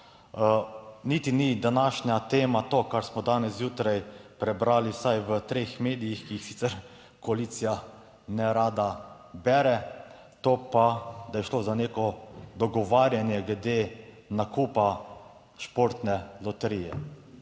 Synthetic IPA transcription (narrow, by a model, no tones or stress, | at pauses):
nit̪inid̪anaːʃnjat̪eːmat̪okaɾsmɔd̪aːnɛsjuːt̪ɾajpɾɛbɾaːlisajʋət̪ɾeːxmeːd̪ijixkijixsi̥t̪sɛɾ | kɔalit̪sija | nɛɾaːd̪a | bɛːɾɛ | t̪oːpad̪ajɛʃloːzaneːkɔd̪ɔɡɔʋaːɾjanjɛɡlɛd̪e | nakuːpa | ʃpoːɾt̪nɛlɔt̪ɛɾijɛ̰